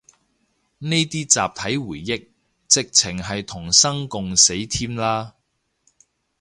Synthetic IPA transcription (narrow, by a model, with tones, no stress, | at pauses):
ne˥jt̪iː˥t͡sa̰ː˨p̚t̪ʰɐ˨˥jwuː˨˩jːɪ˥k̚ | t͡sɪ˨k̚t͡sʰɪ˨˩ŋɦɐ˨jt̪ʰʊ˨˩ŋsɐ˥ŋkʊ˨ŋse˨˥jt̪ʰiː˥mlaː˥